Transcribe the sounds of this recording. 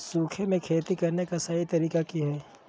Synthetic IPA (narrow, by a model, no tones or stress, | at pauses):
suːkʰemẽkʰeːt̪ikɐɾnekasɐit̪ɐɾiːkakiɦɛː